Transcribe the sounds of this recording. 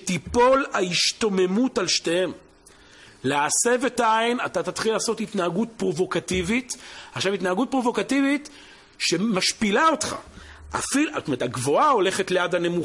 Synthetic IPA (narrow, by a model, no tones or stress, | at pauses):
tipo̞laiʃto̞me̞mutalʃte̞hem | lease̞vetajnatatat̪χilaːso̞titnaaɡutpʁo̞vo̞kativitaχʃavitnaaɡut̚pʁovo̞kativit | ʃe̞maʃpilao̞tχa̰ | a̰fiotomeetaɡvo̞ao̞le̞χetlejadhane̞mu